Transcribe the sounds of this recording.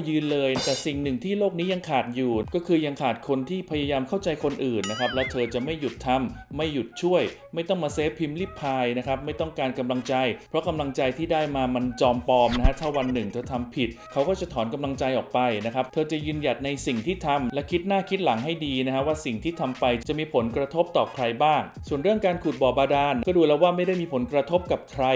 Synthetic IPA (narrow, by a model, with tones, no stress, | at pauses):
jɯː˧nlɤː˧jt̪ɛː˨˩si˨˩ŋnɯ˨˩ŋt̪ʰiː˥˩loː˥˩k̚niː˦˥ja˧ŋkʰaː˨˩t̪̚juː˨˩kɔː˥˩kʰɯː˧ja˧ŋkʰaː˨˩t̪̚kʰo˧nt̪ʰiː˥˩pʰa˧ja˧jaː˧mkʰa˥˩wt͡ɕa˧jkʰo˧nʔɯː˨˩nːa˦˥kʰɾa˦˥p̚lɛː˦˥wt̪ʰɤː˧t͡ɕa˨˩ma˥˩jːu˨˩t̪ʰːa˧mːa˥˩jːu˨˩t̪̚t͡ɕʰu˥˩əj | ma˥˩jt̪ɔ˥˩ŋmaː˧seː˦˥pʰːi˧mliː˥˩pʰːaː˧jna˦˥kʰɾa˦˥p̚ma˥˩jt̪ɔ˥˩ŋkaː˧nka˧mla˧ŋt͡ɕa˧jpʰɾɔ˦˥ka˧mla˧ŋt͡ɕa˧jt̪ʰiː˥˩daː˥˩jmaː˧ma˧nt͡ɕɔː˧mpɔː˧mna˦˥kʰa˦˥t̪ʰaː˥˩wa˧nːɯ˨˩ŋt̪ʰɤː˧t̪ʰa˧mpʰi˨˩t̪̚kʰa˦˥wkɔː˥˩t͡ɕa˨˩t̪ʰɔː˩˦nka˧mla˧ŋt͡ɕa˧jʔɔː˨˩k̚pa˧jna˦˥kʰɾa˦˥p̚t̪ʰɤː˧t͡ɕa˨˩jɯː˧nja˨˩t̪̚na˧jsi˨˩ŋt̪ʰiː˥˩t̪ʰa˧mlɛ˦˥kʰi˦˥t̪̚naː˥˩kʰi˦˥t̪̚la˩˦ŋɦa˥˩jdiː˧n˦˥kʰa˦˥waː˥˩si˨˩ŋt̪ʰiː˥˩t̪ʰa˧mpa˧jt͡ɕt͡ɕa˨˩miː˧pʰo˩˦nkɾa˧t̪ʰo˦˥p̚t̪ɔː˨˩kʰɾa˧jbaː˥˩ŋ | su˨˩ənɾɯ˥˩əŋkaː˧nkʰu˨˩t̪̚bɔː˨˩baː˧daː˧nkɔː˥˩duː˧lɛː˦˥waː˥˩ma˥˩jda˥˩jmiː˧pʰo˩˦nkɾa˧t̪ʰo˦˥p̚ka˨˩p̚kʰɾa˧